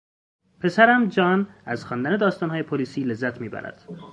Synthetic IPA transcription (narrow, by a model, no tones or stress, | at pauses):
pʰe̞sæɾæmd͡ʒɒːnæz̥xɒːnd̪æne̞d̪ɒːst̪ɒːnhɒːjepʰoliːsiːle̞zːæt̪ʰmiːbæ̰ɾæ̰d̪̥